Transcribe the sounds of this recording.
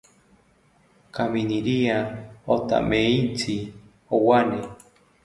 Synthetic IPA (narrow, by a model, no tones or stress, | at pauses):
kaminiɾiaot̪a̰meint͡si | owane